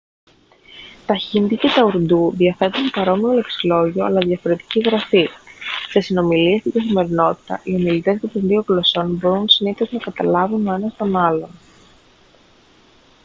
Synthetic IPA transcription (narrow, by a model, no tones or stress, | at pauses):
t̪ɐçinðicet̪ɐuɾd̪uðiɐfe̞t̪unpɐɾo̞mio̞le̞ksilo̞ʝio̞ɐ̰lɐðjɐfo̞ɾe̞t̪i̥ciɣɾɐfise̞sino̞milie̞st̪iɡɐθime̞ɾino̞t̪i̥t̪ɐ̰ʔio̞milit̪e̞zcɐt̪onðio̞ɣlo̞so̞nbo̞ɾunsiniθoznɐkɐt̪ɐlɐvuno̞enɐst̪o̞nɐlo̞n